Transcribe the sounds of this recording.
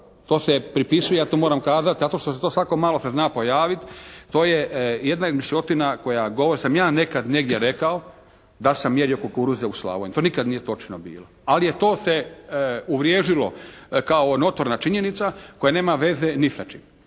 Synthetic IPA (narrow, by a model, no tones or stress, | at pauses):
t̪o̞ːsepɾipisujejaːt̪oːmoɾamkaːzat̪zat̪o̞ʃt̪oset̪osʋako̞maːloseznaːpo̞jaːʋit̪ːo̞ːjejed̪naod̪miʃot̪inako̞jaɡoʋoɾisamjaːne̞kad̪ne̞ɡd̪ʲjeɾekao | d̪asamːjeɾijokokuɾuzeusla̰ːʋojɲet̪oːnikad̪nijet̪o̞t͡ʃnobḭːloalijet̪o̞ːse | uʋɾjeːʒilo̞̰kaonot̪oɾnat͡ʃiɲenit̪sako̞jane̞ːmaʋe̞zenisat͡ʃi